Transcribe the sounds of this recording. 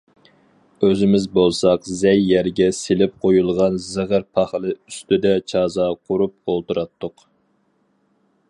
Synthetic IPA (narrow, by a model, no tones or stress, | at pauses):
øzɪmɪzbolˠsɑqzɛjːæɾɡʲɛselɪp̚qʰojulˠʁɑnzɨʁəɾpʰɑχlˠɨyst̪ɪd̪ɛt͡ʃʰɑːzɑqʰʊɾup̚olˠt̪uɾɑt̪ʰːʊq